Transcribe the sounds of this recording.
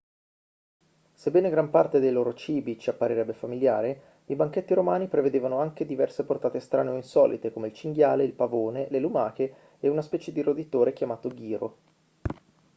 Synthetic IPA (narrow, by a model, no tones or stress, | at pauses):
sebːɛːneɡɾampart̪ed̪ejloːɾot͡ʃiːbit͡ʃiapːaɾiɾɛbːefamilja̰ːɾe | ibaŋk̟et̪ːiɾomaːnipɾeved̪eːvanoaŋk̟ed̪ivɛrseport̪aːt̪est̪ɾaːneoinsɔːlʔḭt̪ekomeilt͡ʃiŋɡjaːleilpavoːnelelumaːkeː | unaspɛːt͡ʃed̪iɾod̪it̪oːɾek̟jamaːt̪oɡiːɾo̰